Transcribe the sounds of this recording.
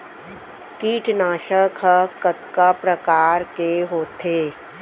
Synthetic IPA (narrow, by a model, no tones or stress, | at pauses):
kiːʈʰnaːʃəkkət̪kapɾəkaːɾkeɦoːt̪ʰeː